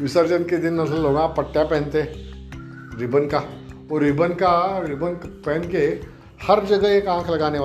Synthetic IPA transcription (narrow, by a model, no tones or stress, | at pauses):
ʋɪsəɾd͡ʒənked̪ɪnːɐsəlloːɡãpɐʈːjapɛ̃ɦnt̪eɦɛ̃ | ɾɪbənka | ɔːɾɪbənkaɾɪbənkpɛːnke | hɐɾd͡ʒɐɡəɦekãːkʰlɐɡaːneʋa